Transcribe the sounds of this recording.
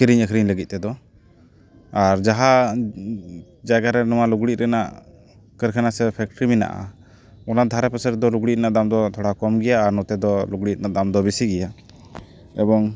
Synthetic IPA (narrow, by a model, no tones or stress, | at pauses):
kɾiɲəkʰɾiɲləɡit̪̚t̪ɛd̪ɔ | aɾd͡ʒaɦa | d͡ʒaɡaɾɛnɔwaluɡɽit̪̚ɾɛnaʔ | kəɾkʰɛnasɛpʰɛk̚ʈɾimina̰ʔa̰ | ɔnad̪ʱaɾɛpɛsɛɾd̪ɔluɡɽit̪̚naʔd̪amd̪ɔt̪ʰɔɽakɔmɡɛjaːɾnɔt̪ɛd̪ɔluɡɽit̪̚naʔd̪amd̪ɔbisiɡɛja | ɛbɔŋ